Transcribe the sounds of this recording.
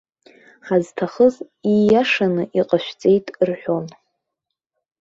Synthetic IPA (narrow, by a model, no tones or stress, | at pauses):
ħaztʰaχəz | ijaʂanɨʔiqʼaʃʷᶣt͡sʼe̞jtʼrħʷᶣo̞n